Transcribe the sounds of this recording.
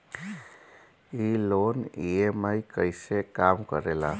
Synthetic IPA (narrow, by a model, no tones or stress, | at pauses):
iloneemajkəɪsekamkə̰ɾela̰